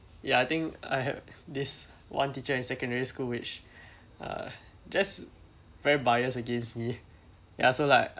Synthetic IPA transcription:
jaajt̪ɪ̃ŋka̰jhɛ̰vdiswã̰ntit͡ʃəɪ̃nsɛkə̃ndɛɹiskulwɪt͡ʃ | ʌ̰ | d͡ʒas | vɛɹibajəsəɡẽnsmi | ja̰solaɪk̚

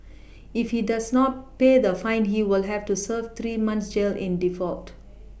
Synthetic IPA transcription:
ifhidasnɔt̚ped̪əfãɪ̃nɦiwɪlɦɛvtusəvt̪ʰɾimãnsd͡ʒelʔɪ̰̃ndifɔl̚t

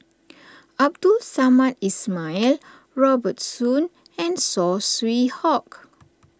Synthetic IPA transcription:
ab̚dulsamãt̚ismail | ɹɔbət̚sũn | ɛ̃nsɔswihɔk

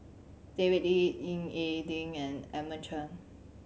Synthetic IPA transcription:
d̥evitiĩŋedĩŋɛ̃nɛmət͡ʃʰə̃n

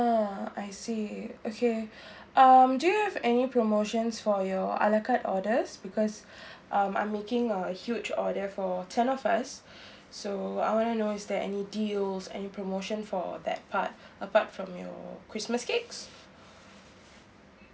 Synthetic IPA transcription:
aajsiokʰe | ʔamdujuhɛvɛnipɹomoʃə̃nsfɔjɔa̰ləkatɔdəsbikʰɔs | ʔãmã̰j̃mːekɪ̃ŋəhjud͡ʒɔdəfɔtʰɛ̃nɔfasː | oa̰ɪjwɔ̃nənoɪsdɛɛ̰nidilsɛ̰nipʰɹomoʃə̃nfɔ̰ðɛ̰t̚pʰat̚əpatfɹɔ̃mjɔ̰kʰɹisməskeks

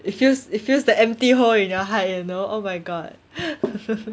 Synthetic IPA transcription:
ifjusitfjusdəɛ̃mptiɦolĩnjɔɦat̚junoʔomaɪɡɔt̚

